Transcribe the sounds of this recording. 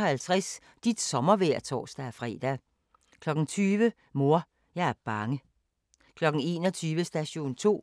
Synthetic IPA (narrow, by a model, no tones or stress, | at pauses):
hælt͡sʰʁas | d̥id̥sɒ̽mɐʋeɐ̰t͡sʰɒ̰ːsd̥æɐfʁɛ̰ːd̥æ | kʰlɒ̽ɡ̥n̩t͡sʰyːʋə | mo̝ɐ̰ | jɑ̈ɪæɐb̥ɑ̈ŋə | kʰlɒ̽ɡ̥n̩e̝̰ːnɒt͡sʰyːʋəsd̥æɕo̝̰ːnt͡sʰo̝̰ː